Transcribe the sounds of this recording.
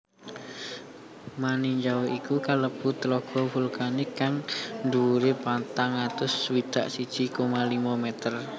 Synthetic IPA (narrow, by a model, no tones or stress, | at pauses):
maniɲd͡ʒawoikukaləb̥ut̪əlɔɡ̥ɔ̤fulkanɪkːaŋnd̪uuɾepant̪aŋat̪ʊswid̪̥aʔsid̥ʒ̥i̤komalimamɛt̪ər